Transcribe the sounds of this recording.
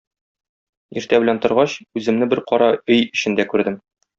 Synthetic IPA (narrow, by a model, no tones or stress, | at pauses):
iɾt̪æbɘ̆lænt̪ŏɾʁɑɕʉzɘ̆mnɘbɘɾqɒɾɑɵjɘ̆ɕɘ̆nd̪ækʉɾd̪ɘm